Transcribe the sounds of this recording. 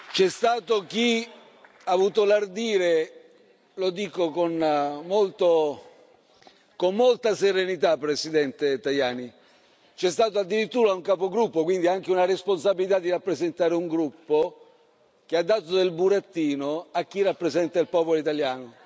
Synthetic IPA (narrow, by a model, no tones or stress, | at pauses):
t͡ʃɛst̪aːt̪ok̟i | aːvuːt̪olard̪iːɾe | lod̪iːkokonmolt̪o | komːolt̪aseɾenit̪apːɾesid̪ɛnt̪et̪ajaːni | t͡ʃɛst̪aːt̪oad̪ːiɾit̪ːuːɾauŋkapoɡɾupːokwind̪iaŋk̟eunaresponsabilit̪ad̪ːiɾapːɾezent̪aːɾeuŋɡɾupːo | k̟ead̪ːaːt̪od̪elbuɾat̪ːiːnoak̟ːirːapːɾezɛnt̪ailpɔːpoloit̪aljaːno